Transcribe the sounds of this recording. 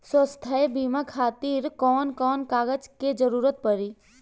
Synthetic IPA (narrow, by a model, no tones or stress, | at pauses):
swəst̪ʰaebiːmakʰaːt̪iːɾkɔːnkɔːnkaːɡəd͡ʒked͡ʒəɾuːɾət̪̚pəɾiː